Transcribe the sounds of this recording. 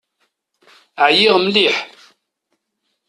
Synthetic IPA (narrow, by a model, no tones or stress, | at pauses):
əʕjiʁəmliħ